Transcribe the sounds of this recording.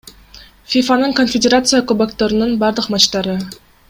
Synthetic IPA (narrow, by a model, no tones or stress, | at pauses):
fʲifanɯɴkonfʲedʲeɾat̪sɨjakobakt̪oɾɯnɯnbɑɾd̪ɯqmɑt͡ʃt̪ɑɾɯ